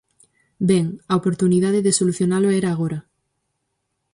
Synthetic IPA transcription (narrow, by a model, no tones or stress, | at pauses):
beŋaopoɾt̪unið̞aðeðesoluθjonaloeɾaːɣ̞oɾa